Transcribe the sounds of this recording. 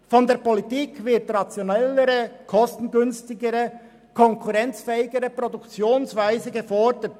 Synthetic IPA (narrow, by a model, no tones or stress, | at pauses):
fɔndeːɐpolitiːkvɪɐtʁɑt͡sjonɛləɾəkʰɔstn̩ɡʏnstɪɡəɾə | kʰɔŋkʰuʁɛnt͡sfɛːɪɡəɾəpʁodukt͡sjoːnsvaɪzəɡəfɔɾdət